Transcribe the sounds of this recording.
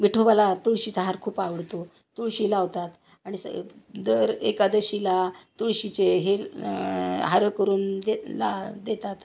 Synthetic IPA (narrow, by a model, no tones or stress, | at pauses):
ʋiʈʰoʋalat̪uɭɕit͡saɦaɾkʰuːpaʋəɽt̪o | t̪uɭɕiːlaʋt̪at̪ | aɽ̃isəd̪əɾekad̪əɕilat̪uɭɕit͡ɕeɦe | ɦaɾəkəɾuːnd̪ela̰d̪et̪at̪